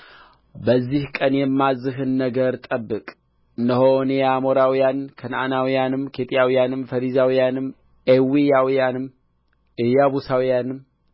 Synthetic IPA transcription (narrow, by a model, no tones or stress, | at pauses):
bəzːihkʼənjɛmːazɨɦɨnːəɡəɾt̪ʼəbːɨkʼ | nəhonejamoɾawijankʰənʔa̰nawijanɨmkʰet̪ʼijawijanɨmfəɾizawijanɨm | ʔewijawijanɨm | ʔɨjaβusawijanɨm